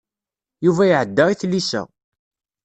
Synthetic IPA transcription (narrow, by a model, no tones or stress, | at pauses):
juvæjʕəd̪ːəʁiθlːisæ̰